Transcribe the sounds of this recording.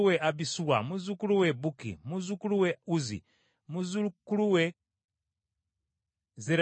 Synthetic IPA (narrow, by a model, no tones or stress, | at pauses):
uweʔabisuwa̰muzukuluwebukḭmuzukuluweuzḭ | muzukuluwe | zeɾ